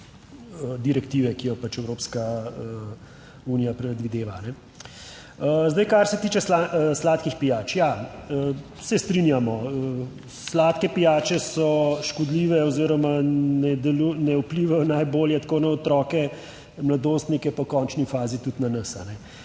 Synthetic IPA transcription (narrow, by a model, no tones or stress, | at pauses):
əd̪iɾɛkt̪iʋɛkijɔpat͡ʃɛwɾoːpskaə | unijapɾɛd̪ʋid̪eːʋaːnɛ | əzd̪ɐjkaɾsɛt̪iːt͡ʃɛslaəslaːt̪kixpijaːt͡ʃjaə | sɛst̪ɾinjamɔə | slaːt̪kɛpijaːt͡ʃɛsɔʃkɔd̪liːʋɛɔziɾɔmanɛd̪ɛlunɛupliʋajɔnajboːljɛt̪koːnaɔt̪ɾɔkɛ | mlad̪ost̪nikɛpakɔːnt͡ʃnifaːzit̪ut̪nanɐsa̰nɛ